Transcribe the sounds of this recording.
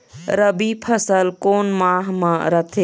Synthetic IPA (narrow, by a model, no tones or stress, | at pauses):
ɾəbipʰəsəlkoːnmãːɦmãɾət̪ʰe